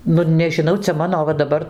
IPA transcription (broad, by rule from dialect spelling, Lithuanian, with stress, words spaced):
ˈnʊ nʲɛʒʲɪˈnɐʊ ˈt͡sʲɛ ˈmɑːnoː ˈʋɐ dɐˈbɐr